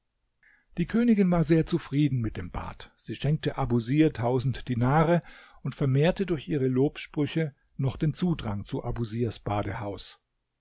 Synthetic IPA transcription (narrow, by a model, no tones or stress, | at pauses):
d̥iːkʰøːnɪɡɪnvaːɐzeːɐt͡sufʁ̥iːdn̩mɪt̚d̥eːmb̥a̰ːtz̥iːʃɛŋk̚təʔabuziːɐtʰaʊzn̩td̥inaːʁəʔʊntfɛɐmeːɐtədʊɐçʔiːʁəloːpʃpʁ̥ʏçə | nɔχd̥eːnt͡suːdʁaŋt͡suʔabuziːɐsb̥aːdəhaʊs